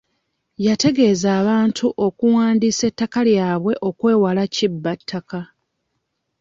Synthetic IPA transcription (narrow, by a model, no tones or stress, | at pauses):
jate̞ɡe̞ːzaːβaːntʰuʔo̞kuwaːndiːse̞tːakaljaːβwe̞ʔo̞kwe̞ːwalacibːatʰːaka